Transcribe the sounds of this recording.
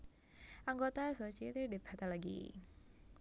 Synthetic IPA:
ʔaŋɡot̪asot͡ʃit̪ideb̥a̤t̪alaɡḭ

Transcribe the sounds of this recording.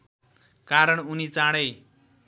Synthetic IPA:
kaɾʌɽunit͡saɽʌj

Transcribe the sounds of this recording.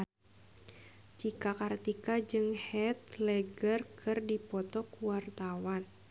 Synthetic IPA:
t͡ʃikakart̪ikad͡ʒɨŋhɛt̪̚lɛɡərkʰɨrdipɔt̪ɔkuwart̪awan

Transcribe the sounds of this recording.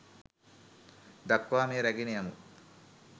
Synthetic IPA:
d̪ɐkʋaːmiɾɐɡinijɐmu

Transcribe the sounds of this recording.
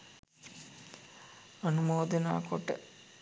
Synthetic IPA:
ɐnumoːd̪ɐna̰ːkoʈːə

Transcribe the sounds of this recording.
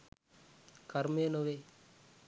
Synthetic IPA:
kɐɾmeːnoʋe

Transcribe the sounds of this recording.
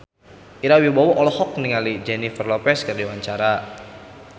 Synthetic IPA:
ʔiɾawibawɔʔɔlɔhɔk̚niŋalid͡ʒɛnifərlɔpɛskɨrdiwaɲt͡ʃaɾa

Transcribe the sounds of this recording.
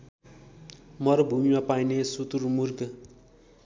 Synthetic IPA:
mʌɾʌbʱumimapajnesut̪uɾmurk

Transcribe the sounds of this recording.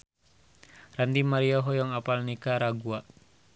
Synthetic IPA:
randimaɾiɔɦɔjɔŋapalnikaɾaɡua

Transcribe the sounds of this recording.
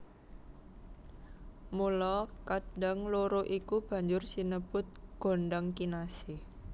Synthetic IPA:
mulɔkad̥aŋloɾoʔikub̥ä̤ɲd͡ʒʊrsinəb̥ʊ̤t̪̚ɡ̥o̤ɳɖəŋkinasɪh

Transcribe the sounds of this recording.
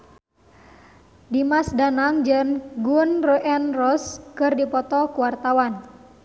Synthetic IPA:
dimasdanaŋd͡ʒəŋɡunroʔɛnrɔskɨrdipɔt̪ɔkuwart̪awan

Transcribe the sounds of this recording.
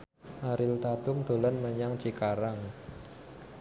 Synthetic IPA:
ʔaɾɪlt̪at̪ʊmd̪̥o̤lanməɲaŋ̥d͡ʒ̥ikaɾaŋ

